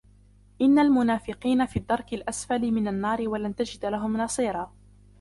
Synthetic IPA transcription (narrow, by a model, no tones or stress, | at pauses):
ʔɪnːalmʊnaːfɪqiːnafiːd̪ːɑɾˤkɪlʔasfalɪmɪnanːɑːɾɪwalant̪ad͡ʒɪd̪laɦʊmnɑsˤiːɾˤɑː